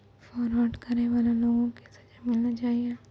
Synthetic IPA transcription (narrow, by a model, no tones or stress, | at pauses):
fɔːɾɔːɖkɐɾneʋaːlaloːɡõkisɐ̥d͡ʒamɪlnat͡ʃaːieː